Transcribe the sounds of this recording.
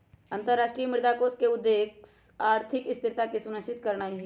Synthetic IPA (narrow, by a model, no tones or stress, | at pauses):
ɐ̃nt̪əɾaːʃʈɾijmɪɾd̪akoːskeʊd̪ːeːksaːɾt̪ʰɪkɪst̪ɪɾt̪akisʊnəʃɪt̪kəɾnaːɦi